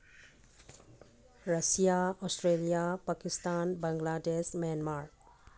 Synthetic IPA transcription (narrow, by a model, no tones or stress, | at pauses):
ɾəsijaɔsʈɾelijapakist̪anbãŋɡladesmanmaɾ